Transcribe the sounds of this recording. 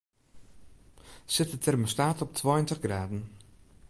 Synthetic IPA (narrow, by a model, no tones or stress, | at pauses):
sɪtətʰɛrmostaːtɔp̚tʰʋɔːjəntəχɡraːdən̩